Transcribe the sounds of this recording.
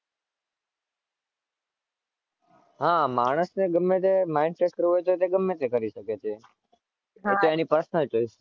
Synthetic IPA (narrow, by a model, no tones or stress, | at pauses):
ɦãmaːɽ̃əsneɡəmːẽt̪emaɪɳɖseʈ̚kəɾuɦojt̪ot̪eɡəmːẽt̪ekəɾiʃəket͡ʃʰe | ot̪eanipəɾəsnəd͡ʒoiʃ